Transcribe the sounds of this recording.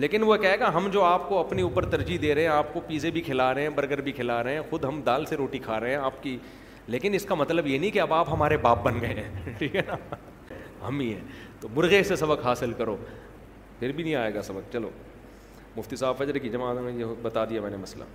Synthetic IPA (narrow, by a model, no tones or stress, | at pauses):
leːkɪnʋokɛɦeːɡaɦɐmd͡ʒoːaːpkoɐpniuːpəɾt̪ɐɾd͡ʒid̪eːɾɐɦɛ̃aːp̚kopiːzebʱikʰɪlaːɾɐɦɛ̃bɐɾɡəɾbʱikʰɪlaːɾɐɦɛ̃ːxʊd̪ɦɐmd̪aːlseɾoːʈikʰaːɾɐɦɛ̃aːpki | leːkɪnɪskamɐt̪ləbjenĩkiɐbaːpɦɐmaːɾebaːp̚bɐnɡɐẽʈʰiːkɛna | ɦɐ̰mĩɦɛ̰ːt̪omʊɾɣeːsesɐbəkɦaːsɪlkɐɾoː | pʰɪɾbʱin̤ĩaːeːɡasɐbək̚t͡ʃɐlo̰ː | mʊft̪isaːbfɐd͡ʒɾkid͡ʒɐmaːd̪mẽjebɐt̪ad̪iamɛ̃ːnemɐsla̰ː